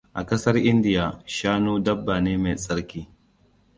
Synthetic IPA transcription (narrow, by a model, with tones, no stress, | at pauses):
ʔa˨kɐ˦sɐ˦rʔɪ˦ndɪ˨jaː˨ʃaː˦noː˦dɐ˦bːaː˨neː˦me˨sʼɐ˦ɾkʲiː˦